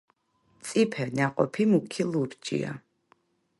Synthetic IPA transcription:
t̪sʼipʰɛnaqʼɔpʰimukʰilˠuɾt͡ʃʼḭa̰

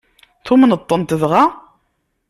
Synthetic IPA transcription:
θʊmnət̪ˤːənt̪əðʁa

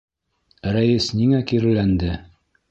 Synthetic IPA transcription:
ɾæjisniŋækiɾɘlænd̪ɘ

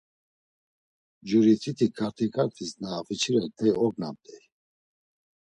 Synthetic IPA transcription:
d͡ʒuɾit͡sʰʼit̪ʰikʰaɾt̪ʰikʰʼaɾt̪ʰisnaːfit͡ʃʰiɾɛt̪ʰɛjɔɡna̰mt̪ʰʼɛj

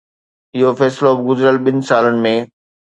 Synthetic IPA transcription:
ɪɦofɛːslobɡʊzɾəlɓɪnɪ̆saːlənɪ̆mẽː

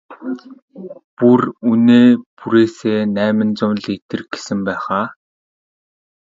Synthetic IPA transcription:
puruneːpuɾeːseːnæːmɘ̆nt͡sʊmɮet̪ɘ̆rɡe̥sɘ̆mpæːχaː

